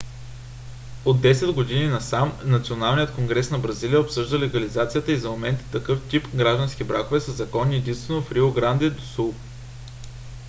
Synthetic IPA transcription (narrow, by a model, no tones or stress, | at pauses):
od̪ːɛsɛd̪ɡod̪ininɐsamnɐt̪sionalˠnijət̪̚koŋɡɾɛsnɐbɾɐzilijəopsɤʒd̪əlɛɡɐlizat̪sijət̪əizɐmomɛnt̪ə̥t̪ɐkɤft̪ipɡɾaʒd̪ɐnsk̟ʲibɾakovɛsɐzɐkɔnːiɛd̪inst̪vɛnofɾioɡɾand̪ɛd̪osulˠ